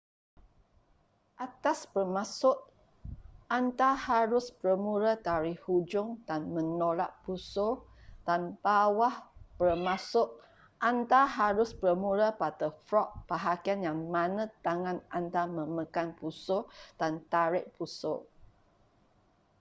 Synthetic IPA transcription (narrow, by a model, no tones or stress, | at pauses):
ʔat̪aspərmasʊʔ | ʔant̪ahaɾʊspɾəmuɾət̪aɾɪhhud͡ʒʊŋdanmə̃nolaʔpusod̥anbawahpərmasʊʔ | ʔant̪aɦaɾʊspɾəmuɾəpat̪əfɾɔʔ̚pəɦakianjaŋmãnə̃t̪aŋãnant̪amə̃mə̃kanpusod̥ant̪aɾɪʔpuso